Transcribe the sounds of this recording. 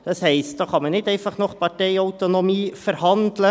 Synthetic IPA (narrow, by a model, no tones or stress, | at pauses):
d̥ɑshɛɪst̚d̥̪ɑːχɑmənɪtɛɪfɑχnɔχpɑʈɛɪɔʊt̪onomiːfəɾhɑnd̪lə